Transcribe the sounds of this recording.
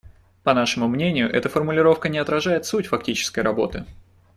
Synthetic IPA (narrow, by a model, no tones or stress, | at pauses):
pɐnaʂɨmʊmnʲenʲɪjʊʔɛ̰t̪əfərmʊlʲɪɾo̞fkənʲɪɐt̪ɾɐʐajɪt̪sutʲfɐktʲit͡ɕɪ̥skəjɾɐbo̞̰t̪ɨ